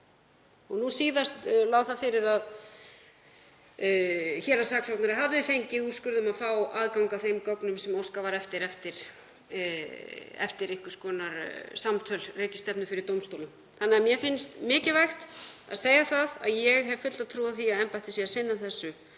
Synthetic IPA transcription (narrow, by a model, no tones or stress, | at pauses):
ɔɣnusiːðast̪laːwθaðfɪɾɪɾað | çɛːlasaːksɔwtnaɾɪɦavðɪfejɲcɪuskʏɾðʏmaðfaːwaːðkawŋkaθejmkɔwknʏmsɛmowskavaɾɛft̪ɪɾɛft̪ɪɾ̥ | ɛ̰ft̪ɪɾɪhkʏ̥skɔːnaɾsamt̪ʰœlreːcɪ̥st̪ɛpnʏfɪɾɪɾt̪owmst̪owlʏm | θanːaɛmjɛfɪnst̪mɪːcɪvajxt̪a̰ðseːjaθaða̰ðjɛɣɦɛvfʏt̪t̪aðt̪ʰɾuːðaðθiaðɛmpajht̪ɪsjɛasɪnːaθɛsːʏ